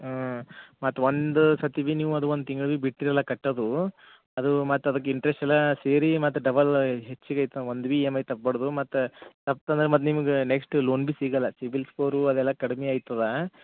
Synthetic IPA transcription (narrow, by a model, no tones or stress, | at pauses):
mɐt̪ːʋond̪usɐt̪ibiːniːʋuɐd̪uʋond̪ut̪iŋɡɐɭbibiʈːiɾɐlːɐkɐʈːɐd̪u | ɐd̪umɐt̪ːɐd̪ɐk̬ːeiɳʈɾesʈɛlːɐseːɾimɐt̪ːɾɐɖɐbɐlɦet͡ʃːiɡɐjt̪ːɐond̪ubiemɐjt̪ɐp̚ːbɐɽɐd̪umɐt̪ːt̪ɐp̚t̪ɐnd̪ɾemɐt̪ːnimɐɡeneksʈloːnbiːsiːɡɐlːɐsibilspʰoːɾuɐd̪ɛlːɐkɐɽimeaːjt̪ːɐd̪ɐ